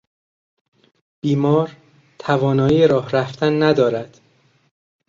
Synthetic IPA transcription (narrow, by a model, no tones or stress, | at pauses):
b̥iːmɒːɾ | t̪ʰævɒːnɒːiːeɾɒːhɾæft̪ʰænːæd̪ɒːɾæd̪̥